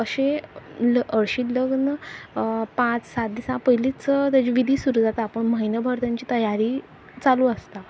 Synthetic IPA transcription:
əɕeləɽɕiːləɡnə | pãt͡ssat̪̚d̪isãpəɦilit͡sət̪jat͡ɕiʋid̪ʱiːsuɾud͡zat̪aːpəɳməɦinjəbʱəɾt̪aɲt͡ɕiːt̪əjaɾiː | t͡saluːəst̪a

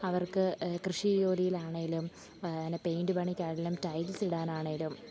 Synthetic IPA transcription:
ɐʋɐrkɨkrɨʂijo̞ːlijilaːɳeilum | ɐnːepejɳɖɨbɐɳikʲːaːɻilumtɐjlsiɽaːnaːɳeŋilum

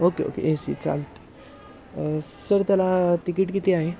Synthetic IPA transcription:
okeo̰keʔẽsḭt͡sa̰lt̪e̥ | səɾt̪alat̪ikiʈkit̪iaɦe

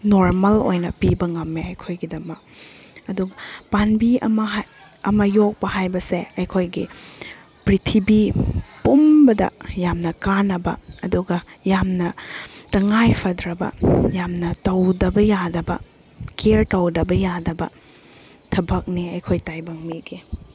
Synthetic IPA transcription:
noɾmɐlo̰jnɐpibɐŋɐmːeɐjkʰojɡidɐmɐk̚ɐduɡɐpanbiɐ̰mɐɦa | ɐmɐjok̚pɐɦajbɐseɐjkʰojɡi | pɾitʰibipumbɐdɐ̰jamnɐkanːɐbɐ̰ɐduɡɐjamnɐtɐŋajpʰɐdɾɐbɐ̰jamnɐtɐwdɐbɐjadɐbɐ̰ | keɾtɐwdɐbɐjadɐbɐ̰ | tʰɐbɐk̚niɐjkʰojtajbɐŋmiɡi

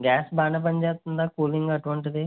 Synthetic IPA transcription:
ɡaːsbaːɳɐp̬ɐnd͡ʒeːt̪und̪aːkuːliŋɡɐʈuʋɐɳʈ̬id̪i

